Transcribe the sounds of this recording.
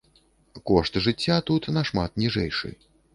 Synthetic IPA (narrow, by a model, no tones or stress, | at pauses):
kɔʂt̪ʐɨt͡sʲːat̪ut̪nɐʂma̰t̪nʲiʐɛjʂɨ̰j